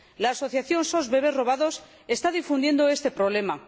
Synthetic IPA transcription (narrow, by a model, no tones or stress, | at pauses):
laːso̞θjaθjo̞nsozβe̞β̞e̞ro̞βaðo̞s | e̞st̪aðifund̪je̞nd̪oe̞st̪e̞pɾoβ̞le̞ma